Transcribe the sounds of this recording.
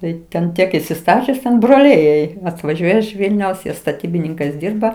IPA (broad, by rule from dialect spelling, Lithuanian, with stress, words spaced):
ˈtɐɪ tʲɛn ˈtʲiɛk ɪsʲɪˈstɑːt͡ʃʲʊs tʲɛn broːˈlʲɛɪ jɛɪ ɐtʋɐˈʒʲuɔjɛ ɪʃ ˈʋʲɪlʲnʲɛʊs ˈjiɛ stɐˈtʲiːbʲɪnʲɪŋkɐɪs ˈdʲiːrbɐ